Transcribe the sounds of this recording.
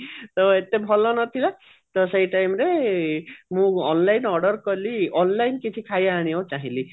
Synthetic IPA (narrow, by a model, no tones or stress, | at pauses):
t̪ɔet̪ebʱɔlɔnɔt̪ʰila | t̪ɔseiʈajmɾe | mũɔnlajnɔɾɖɔɾkɔliɔnlajnkit͡ʃʰikʰajaːɽ̃iowt͡ʃaɦĩli